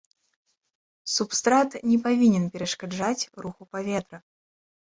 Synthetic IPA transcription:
supst̪ɾat̪nʲɛpavʲinʲɛnpʲɛɾɐʂkad͡ʐat͡sʲruxupavʲɛt̪ɾɐ

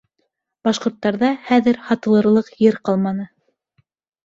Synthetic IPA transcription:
b̥ɑʃqŏɾt̪ːɑɾðɑχæðɘɾhɑt̪ɤ̆lˠɤ̆ɾlˠɤqjɘɾqɑlˠmɑnɤ

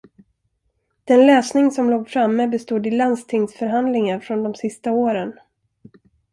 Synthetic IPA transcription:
d̪̥ɛnlɛːsnɪŋsɔmloːɡfɾamːəbɛst̪uːd̪ɪlanst̪ʰɪŋsfœɾɦand̪lɪŋaɾfɾɔnd̪ɔmsɪst̪aoːɾən

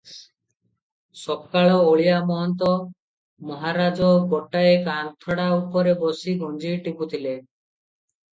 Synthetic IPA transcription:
sɔbkaɭɔoɭijamɔɦɔnt̪ɔ | mɔɦaɾad͡ʒɔɡɔʈaekant̪ʰɔɽaupɔɾebɔsiɡɔnd͡ʒiʈibut̪ʰile

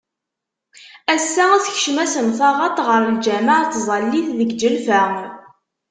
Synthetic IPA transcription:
æsːææθçəʃmæsənθɑʁɑt̪ˤʁəɾəld͡ʒæmaʕt̪ːzˤɑlːiθðəɡd͡ʒəlfæ

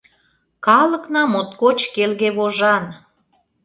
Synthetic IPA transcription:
kɑlə̆knɑmot̪kot͡ɕkelɣeβoʒɑn

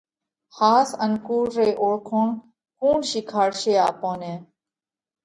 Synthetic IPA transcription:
haːsənkuːɾːeːʔoːɽkʰoːɳ | kuːɳʃikʰaːɽʃeːa̰ːpõːnẽː

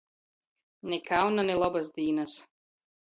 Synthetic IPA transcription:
nʲɛkawnanɛlˠɔbasd̪iːnas

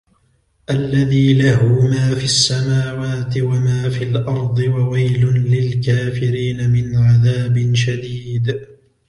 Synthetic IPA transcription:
ʔalːaðiːlaɦʊmaːfiasːamaːwaːt̪ɪwamaːfilʔɑɾˤd̪ˤɨwawajlʊlɪlkaːfɪɾiːnamɪnʕaðaːbɪnʃad̪iːd̪

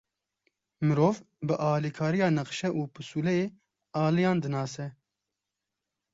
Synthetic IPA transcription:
mɨɾoːv | bɨʔɑːliːkʰɑːɾijɑːnɐqʃɛʔuːpɨsuːlɛeː | ɑːlijɑ̃ːnd̪ɨnɑːsɛ

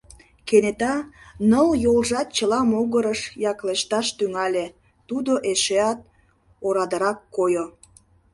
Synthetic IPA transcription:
kenet̪ɑnəljolʒɑt̪̚t͡ɕəlɑmoɣəɾəʃjɑkleʃt̪ɑʃt̪yŋɑlʲe | t̪ud̪oʔeʃeɑt̪̚ | oɾɑd̪əɾɑkːojo

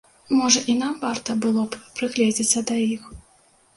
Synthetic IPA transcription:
mɔʐɐʔinamvart̪ɐbɨlˠɔppɾɨɣlʲɛd͡zʲit͡sʲsʲɐd̪ɐjix

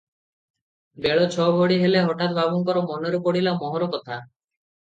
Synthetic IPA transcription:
beɭɔt͡ʃʰɔbʱoɽiɦeleɦɔʈat̪̚bʱabɔŋkɔɾɔmɔnɔɾukɔɽilamɔɦɔɾɔkɔt̪ʰa

